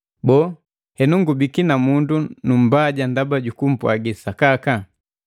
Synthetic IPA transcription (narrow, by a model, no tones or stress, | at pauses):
bɔː | hɛnuŋɡubikinamundunum̩baɟandabaɟukum̩pwa̰ɡisakaka